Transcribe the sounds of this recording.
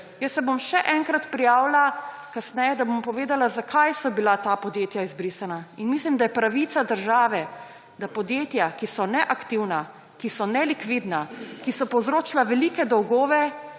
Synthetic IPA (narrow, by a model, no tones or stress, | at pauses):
jəsːɛbomʃɛʔɛŋkɾat̪pɾijaːwlakasnɛjɛd̪abompɔʋeːd̪alazakʰajsɔbilat̪apɔd̪jeːt̪jaizbɾiːsanainmislimd̪ajɛpɾaʋit̪sad̪əɾʒaːʋɛ | d̪apɔd̪jeːt̪jakisɔnɛʔakt̪iwna | kisɔnɛlikʋid̪nakisɔpɔwzɾoːt͡ʃlaʋɛliːkɛd̪ɔwɡoːʋɛ